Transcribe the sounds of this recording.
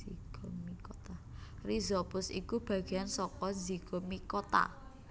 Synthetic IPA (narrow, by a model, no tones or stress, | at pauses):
iɡ̥ɔmikɔt̪arizɔpʊsḭkub̥ä̤ɡ̥e̤ansɔkɔnziɡ̥ɔ̤mikot̪a̰